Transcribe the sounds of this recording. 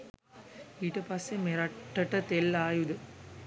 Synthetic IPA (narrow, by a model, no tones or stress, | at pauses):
iːʈɐpɐsːemeɾɐʈːɐʈɐt̪elːaːjud̪ə